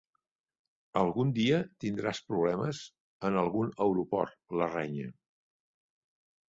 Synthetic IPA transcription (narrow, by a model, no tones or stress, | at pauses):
əlˠɣund̪iət̪ind̪ɾaspɾuβlɛməz | ənəlˠɣunəwɾupɔ̰rlərɛɲə